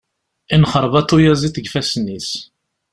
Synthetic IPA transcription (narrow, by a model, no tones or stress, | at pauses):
inχəɾˤvɑt̪ˤːujæziθəɡfæsnːis